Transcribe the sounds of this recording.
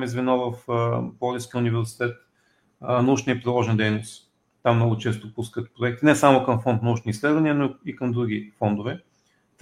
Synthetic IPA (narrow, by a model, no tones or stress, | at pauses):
mizvɛnɔvəfbɔlʲiskʲiəʊnivɛɾsi̥t̪ɛt̪ | nɐut͡ʃnʲijəpɾilˠɔʒɛnd̪ɛjnos | t̪amnɔɡʊt͡ʃɛs̬t̪opuskət̪pɾoɛk̚t̪inɛsamokɐmfɔnt̪̚nəut͡ʃnislɛd̪vɐniənoikəmd̪ɾuɡʲifɔnd̪ovɛ